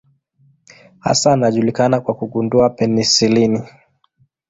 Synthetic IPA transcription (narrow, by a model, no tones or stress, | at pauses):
ha̰sanaʄulikanakwakuɡunduapɛnisilini